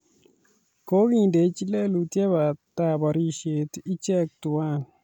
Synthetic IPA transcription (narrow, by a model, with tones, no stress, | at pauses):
ko˦ɡĩ˨nde˨˦t͡ʃi˦le˦lu˨te˦βa˨t̪a˨ba˨ɾi˦ʃe˨t̪i˦t͡ʃɛ˦k̚tu˨wa˦˨